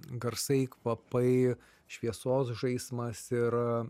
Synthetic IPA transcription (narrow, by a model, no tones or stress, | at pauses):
ɡɐɾsɐɪkʋɐpɐɪ | ʃʲʋʲiɛsoːsʒɐɪsmɐsɪɾ